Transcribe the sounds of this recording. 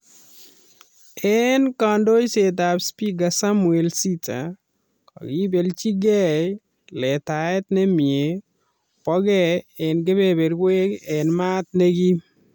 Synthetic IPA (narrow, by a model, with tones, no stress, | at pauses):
ɛnkando˦jset̬abspi˦ɡasamu˨e˨lsi˦ta̰ | kɔ̰˨ɡi˦be˨lt͡ʃi˦ɡɛ˦ | lɛ˨taɛ˦t̪nɛ˦mɪe˨ | pɔ˦ɡɛɛnɡe˦bebe˨ɾwe˦kɛnma˦t̪̚ne˦ɡi˦